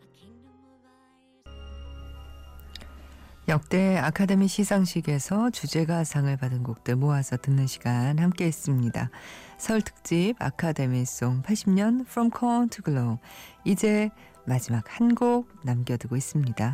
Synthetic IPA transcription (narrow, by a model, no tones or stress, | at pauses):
jʌk̚t͈e̞akʰademiɕʰisʰaŋɕʰiɡe̞sʰʌt͡ɕud͡ʑe̞ɡasʰaŋɯɭpadɯnɡuk̚t͈ɯɭmoasʰʌtɯnːɯnɕʰiɡ̥anhamk͈e̞is͈ɯmɲida̰sʰʌɭtʰɯ̥k̚t͡ɕ͈iba̰kʰade̞mis͈oŋpʰaɭɕ͈ʰimɲʌnfʰɾʌmkʰʌntʰɯɡɯɭoid͡ʑe̞ | mad͡ʑimak̚hanɡoɡ̚namɡjʌdɯɡois͈ɯmɲida